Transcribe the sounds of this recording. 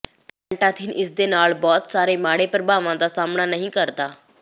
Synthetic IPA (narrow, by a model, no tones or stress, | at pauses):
pə̃ɳʈãt̪ʰinʔɪs̬d̪enaːɭbɔːt̪saːɾemaːɽepəɾbaːʋãd̪asaːmnanəɦĩkəɾt̪aː